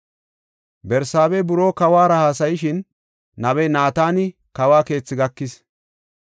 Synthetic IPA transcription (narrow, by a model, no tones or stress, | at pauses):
bɛɾsaːbeːbʊɾo̞ːkɐwaːɾɐhaːsɐjɪʃɪn | nɐβɛnaːt̪aːnɪkɐwaːke̞ːt͡sːɪɡɐkːɪs